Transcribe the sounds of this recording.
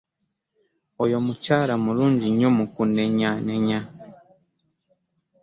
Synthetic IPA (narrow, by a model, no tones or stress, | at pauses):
ojomut͡ʃaɾamuluɲɟiɲumukunɛɲanɛɲa